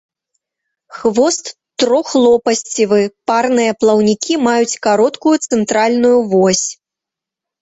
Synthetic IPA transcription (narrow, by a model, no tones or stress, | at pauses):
xvɔst̪ː | ɾɔxlˠɔpɐsʲt͡sʲivɨparnɨjɐplˠɐwnʲikʲʰimajut͡sʲkaɾɔt̪kujut̪sɛnt̪ɾalʲnujuvɔsʲ